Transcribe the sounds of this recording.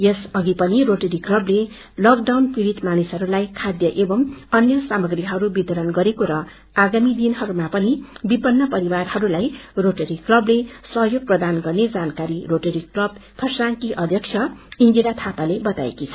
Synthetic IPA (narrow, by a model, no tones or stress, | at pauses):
jesʌɡipʌniroʈeɾiklʌble | lʌkɖawnpiɾit̪manisɦʌɾulajkʰad̪jʌʔebʌmʌnjʌsamʌɡriɦʌɾubit̪ʌɾʌnɡʌɾekoɾʌ | aɡamid̪inɦʌɾumapʌnibipʌnːʌpʌɾibarhʌɾulajroʈeɾiklʌblesʌɦjoɡ̚prʌd̪anɡʌrned͡zankaɾiroʈeɾiklʌbpʰʌsraŋkiʔʌd̪ʱjʌk̚t͡sʰjʌind͡zilat̪ʰapalebʌt̪a̰ḛkit͡sʰʌ̥